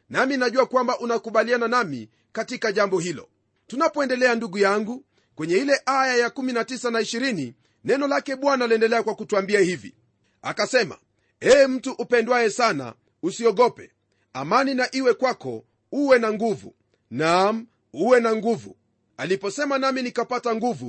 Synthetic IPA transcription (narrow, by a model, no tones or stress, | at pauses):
naminaʄuakwambaʔunakuɓaliananamḭ | katikaʄambɔhilɔ̰ | tunapɔɛndɛlɛanduɡujaŋɡu | kwɛɲɛilɛʔajajakuminatisanaiʃiɾini | nɛnɔlakɛɓwanaliɛndɛlɛakwakutuambiahivḭ | akasɛma̰ | ɛːm̩tuʔupɛndwaɛsana̰ | usiɔɠɔpɛ | a̰maninaʔiwɛkwakɔ̰ | uwɛnaŋɡuvṵ | nam̩ | uwɛnaŋɡuvṵ | alipɔsɛmanaminikapataŋɡuvṵ